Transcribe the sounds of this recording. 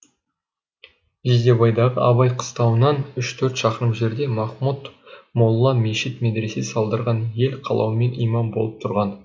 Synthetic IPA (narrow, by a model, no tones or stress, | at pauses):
ʒezd̪e̞bɑjd̪ɑʁəʔɑβɑjqʰə̥st̪ɑwənɑnʏʃt̪ʰɵɾt̪ʃɑqəɾəmʒe̞ɾd̪e̞mɑχmut̪molˠːɑmeʃit̪med̪ɾe̞sesɑlˠd̪əɾʁɑnje̞lqʰɑ̰lˠɑ̰wəme̞nijmɑmbo̞lˠəp̚t̪ʰʊɾʁɑn